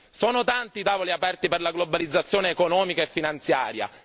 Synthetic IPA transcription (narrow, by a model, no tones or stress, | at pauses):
soːnot̪ant̪it̪aːvoliapɛrt̪iperlaɡlobalid̪zːat̪sːjoːneːkonɔːmikaefːinant̪sjaːɾja̰